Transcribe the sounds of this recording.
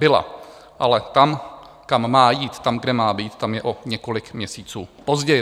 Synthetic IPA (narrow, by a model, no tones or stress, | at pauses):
bɪla̰ | ʔalɛt̪am | kamːaːjiːt̪ːamɡdɛmaːbiːt̪t̪amjɛʔoɲɛko̞lɪkmɲɛsiːt͡suːpo̞zɟɛjɪ